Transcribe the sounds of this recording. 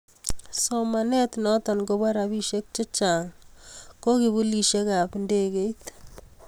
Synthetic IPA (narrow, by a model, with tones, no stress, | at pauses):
soma˨nɛ˦t̪nɔtɔ˨nko˦ba˦ɾabi˦ʃek̚t͡ʃe˦t͡ʃa˨ŋko˦ki˨βu˦li˨ʃe˦ka˨pnde˦ke˦jt̪